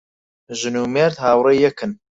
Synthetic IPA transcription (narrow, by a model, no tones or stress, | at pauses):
ʒɨnuːmeːɾt̪haːwrejɛkʰɨn